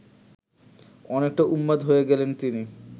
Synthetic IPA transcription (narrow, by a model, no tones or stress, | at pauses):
ɔnek̚ʈaʔumːad̪ɦoeɡɛlent̪ini